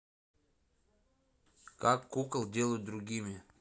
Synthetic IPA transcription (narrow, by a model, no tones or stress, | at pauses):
kakːukəlˠd̪ʲelˠud̪ɾuɡʲimʲe